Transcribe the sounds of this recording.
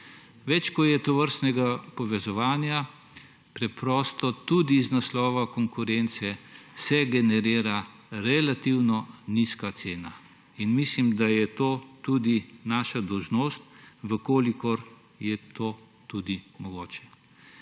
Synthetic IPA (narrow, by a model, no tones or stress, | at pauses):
ʋɛt͡ʃkɔjɛt̪ɔʋəɾst̪nɛɡapɔʋɛzɔʋaːnja | pɾɛpɾɔːst̪ɔt̪ud̪iznaslɔːʋakɔŋkʊɾɛnt̪sɛsɛɡɛnɛɾiːɾa | ɾɛlat̪iwnɔniskat̪seːna | inmislimd̪ajɛt̪oːt̪ud̪inaːʃad̪ɔwʒnoːst̪ʋəkoːlikɔɾ | jɛt̪ʰoː | t̪ud̪imɔɡoːt͡ʃɛ̥